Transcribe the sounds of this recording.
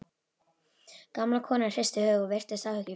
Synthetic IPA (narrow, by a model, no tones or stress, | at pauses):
kamlakʰɔːnar̥ɪst̪ɪhœːvʏɔvejr̥t̪ɪðsahʏcːɪ